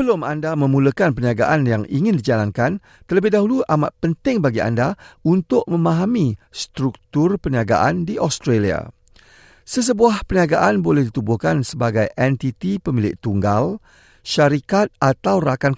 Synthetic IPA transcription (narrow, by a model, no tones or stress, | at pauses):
bəlʊmandamə̃mũləkanpəniaɡa̰ʔanjaŋiŋɪ̃ndid͡ʒalankan | t̪ələbɪhdaɦuluʔamaʔ̪̚pənt̪ɪŋbaɡia̰ndaunt̪ʊʔ̚mə̃mãɦamist̪ɾuk̚t̪ʊrpəniaɡa̰ʔandiʔɔst̪ɾelia̰ | səs̬əbuahpəniaɡaʔanbolɛhdit̪ubʊhkansəbaɡajʔɛnt̪it̪ipəmilɪʔ̚t̪uŋɡal | ʃaɾikat̪̚ʔat̪awrakan